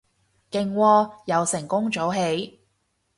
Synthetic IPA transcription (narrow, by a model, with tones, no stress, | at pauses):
kɪ˨ŋwɔː˧jɐ˨˧wsɪ˨˩ŋkʊ˥ŋt͡ʃo˨˥wɦe˨˧˥j